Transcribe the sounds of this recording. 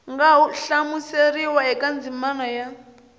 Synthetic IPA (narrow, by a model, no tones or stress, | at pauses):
ŋɡauɬamuseɾiwaɛkand͡zimanɔja